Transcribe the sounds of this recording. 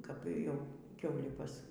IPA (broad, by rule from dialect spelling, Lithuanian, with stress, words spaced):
kɐp ˈjɛʊ ˈkʲɛʊlʲiː ˈpɐs